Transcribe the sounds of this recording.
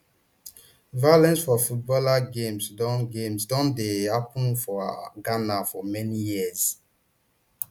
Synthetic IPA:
valɛ̃nsfɔfut̚bɔlaɡẽmsdɔ̃nɡẽmsdɔ̃ndehapə̃nfɔɡanafɔmɛnijiəz

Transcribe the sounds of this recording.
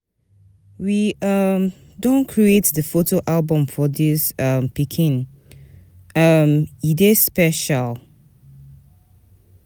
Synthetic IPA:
wiʌm | dõnkʰɹietdəfotoʔalbə̃mfɔdisʌmpikʰĩn | ʌmidespɛʃal

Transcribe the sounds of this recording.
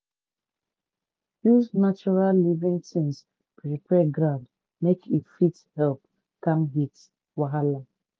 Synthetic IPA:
juznat͡ʃuɹallivĩŋtĩns | pʰɹipʰɛɡɾãʊd | mekifithɛlp | kãmɦit | waɦala

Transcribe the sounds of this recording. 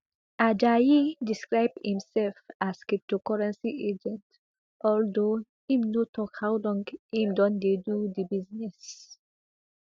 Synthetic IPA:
ʔad͡ʒajidiskɹaɪb̚dhĩmsɛlfaskip̚tokɔɹɛ̃nsiʔed͡ʒɛ̃nt | ʔɔldohĩmnotʰɔkhawlɔ̃ŋɡĩmdɔ̃nd̪edud̪ibiznɛs

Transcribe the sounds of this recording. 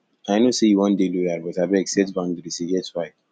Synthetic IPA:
aɪnosejuwɔ̃ndelojaɾbɔtabɛɡsɛtbãndiɾisiɡɛtwaɪd

